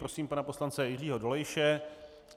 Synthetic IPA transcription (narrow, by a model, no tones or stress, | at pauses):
ɾosiːmpanaposlant͡sɛjɪriːɦo̞dolɛjʃɛ